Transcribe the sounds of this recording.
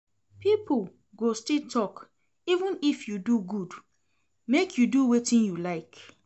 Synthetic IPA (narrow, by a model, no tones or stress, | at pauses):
pipʰl | ɡostitʰɔk | ivə̃nifjuduɡud | mekʰjuduwetĩnjulaɪk